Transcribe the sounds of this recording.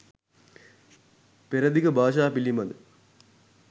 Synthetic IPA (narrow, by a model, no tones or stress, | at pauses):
peɾɐd̪ikɐbʱaːʃ̬aːpilːimɐnɨ